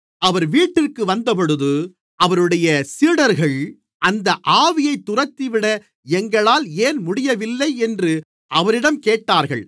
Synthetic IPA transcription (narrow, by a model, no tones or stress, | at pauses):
ɐʋɐɾʋiːʈːɪrkɯʋɐnd̪ɐpɔɽɯðɯ | ɐʋɐɾɯɽɐjɐsiːɽɐɾɣɐɭ | ʔɐnd̪ɐʔaːʋɪjɐɪt̪ːʊrɐt̪ːiʋɪɽɐ | ɛŋɡɐɭaːleːnmʊɽɪjɐʋɪlːɐɪɛndrɯ | ʔɐʋɐɾɪɽɐmkeːʈːaːɾɣɐ̰ɭ